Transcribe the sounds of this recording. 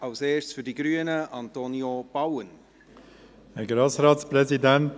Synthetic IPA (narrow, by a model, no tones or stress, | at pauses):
ɑlseːsfydiɡɾyːənəʔɑntonjob̥ɑwən | ɛɡɾɑsɾɑːtspɾɛzidænt